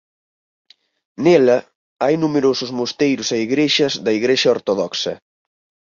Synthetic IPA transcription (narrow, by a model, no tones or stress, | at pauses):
nelɐ | ajnumeɾosʊzmost̪ejɾʊseiɣɾeʃɐzðɐiɣɾeʃɐoɾt̪oðɔksɐ̰